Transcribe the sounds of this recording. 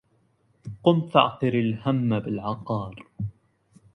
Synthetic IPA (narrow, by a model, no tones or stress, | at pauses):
qʊmt̪ɑ̰ʕq̪ɨɾɪlhamːabɪlʕɑqɑːɾˤ